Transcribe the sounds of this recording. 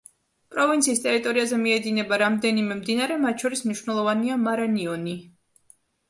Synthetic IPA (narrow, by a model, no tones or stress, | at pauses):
pʼɾɔvint̪sʰiːst̪ʼɛɾit̪ʼɔɾiazɛmiɛd̪inɛbaɾamd̪ɛnimɛmd̪inaɾɛmat̪̚t͡ʃʰɔɾismniʃwnɛlˠɔvaniamaɾaniɔni